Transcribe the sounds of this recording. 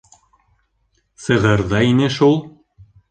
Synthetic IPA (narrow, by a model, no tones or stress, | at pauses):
sɤ̆ʁɤ̆ɾðɑinɘʃulˠ